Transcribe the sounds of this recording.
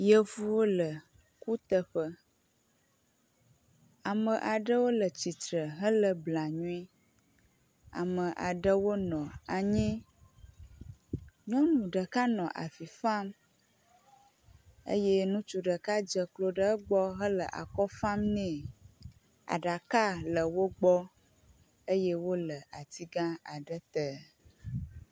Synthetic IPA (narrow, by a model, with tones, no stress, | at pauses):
jə˦vu˦wo˦lə˨ | ku˦t̪ə˦ɸə˦ | a˨mə̃˨ʔa˨ɖə˦wo˦lə˨t͡ɕi˨t̪ɾə˨ɦə˦lə˨bla˨ɲũ˦i˦ | a̰˨mə̃˨ʔa˨ɖə˦wo˦nɔ̃˨a˨ɲĩ˦ | ɲɔ̃˦nũ˨ɖə˨ka˦nɔ̃˨ʔa̰˨fi˨fa˦m | ə̰˦je˦nũ˦t͡ʃu˦ɖə˨ka˦d͡ʒə˨klo˦ɖə˦ɡ͡bɔ˦ɦə˦lə˨ʔa̰˨kɔ˦fa˦mnɛ̃˨ | a̰˨ɖa˨ka˦lə˨wo˦ɡ͡bɔ˦ | ə˦je˦wo˦lə˨a˨t̪i˦ɡã˦a˨ɖə˦t̪ə˨